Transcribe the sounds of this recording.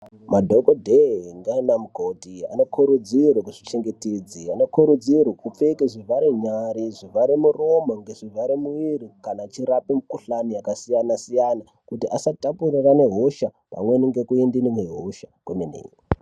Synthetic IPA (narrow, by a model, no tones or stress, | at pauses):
madʱokodʱeŋɡainamuɡʱotia̰nokʰuɾud͡zirwekuʐi̥t͡ʃe̞ŋɡetid͡zianokuɾud͡zirwekup͡fekeʐivaɾeɲaɾiʐivaɾemuromaŋɡeʐivʱaɾemuʋirikanat͡ʃiɾapemukuɬanijakasijanasijana | kutiʔasatapurirane̞ɦoʃa | pa̰mwe̞niŋɡe̞kuendinineɦoʃakwemenḛːji